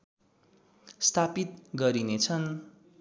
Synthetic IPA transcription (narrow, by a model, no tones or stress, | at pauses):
st̪ʰapit̪̚ɡʌɾinet͡sʰʌn